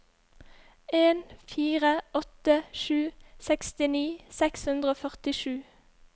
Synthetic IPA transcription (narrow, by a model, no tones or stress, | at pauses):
eːnfiːʁəɔt̪əʃʉːsɛkst̪ɪniːsɛkshʉnd̪ʁəoːfœʁt̪ɪʃʉː